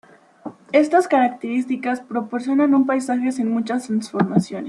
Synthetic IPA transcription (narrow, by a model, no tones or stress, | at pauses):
e̞st̪askaɾak̚t̪eɾist̪ikaspɾo̞po̞ɾsjo̞nanumpajsaxe̞sinmut͡ʃast̪ɾansfo̞ɾmasjo̞nes